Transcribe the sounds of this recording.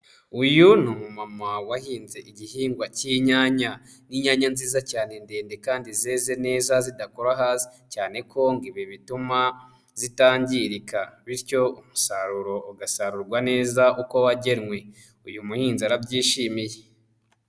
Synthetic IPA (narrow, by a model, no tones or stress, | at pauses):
ujunumumamawahiːnze̞ʔiɟihiːŋɡwaciɲaːɲa | niɲaːɲanziːzacaːne̞nde̞ːnde̞kaːndizeːze̞ne̞ːzazidako̞ɾaɦaːzi̥ | caːne̞kʰo̞ŋɡiβiβituma | z̥itaːɲɟiɾikaβiɾco̞umusaɾuɾo̞uɡasaɾuɾɡwane̞ːzauko̞waɟe̞ɾŋwe̞ | ujumuhiːnzaɾabɟiːʃimije